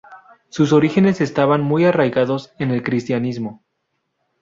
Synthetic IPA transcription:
sus̬o̞ɾixe̞ne̞se̞st̪aβanmujarajɣaðo̞se̞ne̞lkɾist̪janizmo̞

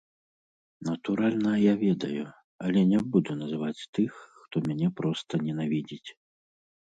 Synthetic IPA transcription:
nɐt̪uɾalʲnɐjavʲɛd̪ɐju | ɐlʲɛnʲɛbud̪unɐzɨvat͡sʲt̪ɨxːt̪ɔmʲanʲɛpɾɔst̪ɐnʲɛnavʲid͡zʲit͡sʲ

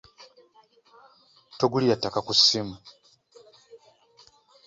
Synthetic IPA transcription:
toɡulijatːakakusimu

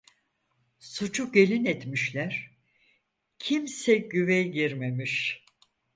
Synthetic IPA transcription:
sut͡ʃʰuɟe̞lʲinɛt̪miʃlʲæɾ̥ | cʰimsɛɟyvɛjɟiɾme̞miʃ

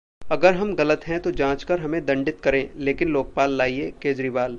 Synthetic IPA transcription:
ɐɡəɾɦɐmɣɐlət̪ɦɛ̃t̪od͡ʒãːt͡ʃkɐɾɦɐmẽd̪ɐ̃ɳɖɪt̪̚kɐɾẽːleːkɪnloːk̚paːlːaːiekeːd͡ʒɾiːʋaːl

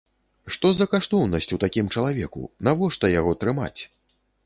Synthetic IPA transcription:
ʂt̪ɔzɐkaʂt̪ɔwnɐsʲt͡sʲut̪akʲimt͡ʂɐlˠavʲɛkṵnavɔʂt̪ɐjaɣɔt̪ɾɨma̰t͡sʲ

